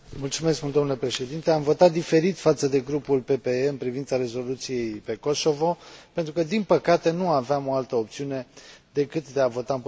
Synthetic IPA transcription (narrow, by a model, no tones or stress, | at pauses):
mult̪sume̞sksmunld̪omnlepɾe̞ʃe̞d̪int̪e̞amvo̞t̪at̪̚d̪ife̞ɾit̪fat̪səd̪e̞ɡɾupulpe̞pe̞eɨnpɾivint̪saɾe̞zo̞lut̪sije̞jpe̞ko̞so̞vo̞pent̪ɾukəd̪inpəkat̪e̞nuaveamo̞alt̪əop̚t̪siune̞d̪e̞kɨt̪d̪e̞avo̞t̪aɨnp